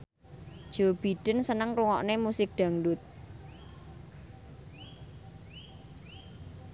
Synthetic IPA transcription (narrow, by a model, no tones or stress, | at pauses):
d̥ʒ̥o̤b̥i̤ɖ̥ə̤nsənəŋruŋɔʔnemusɪk̚ɖ̪̥ä̤ŋdʊt̪̚